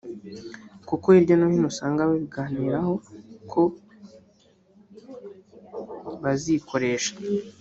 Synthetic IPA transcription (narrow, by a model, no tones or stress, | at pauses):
kukoiɾɟonohinusaːŋɡaβaβiɡaːniːɾaho̞kʰo̞ | βazikʰo̞ɾe̞ːʃḁ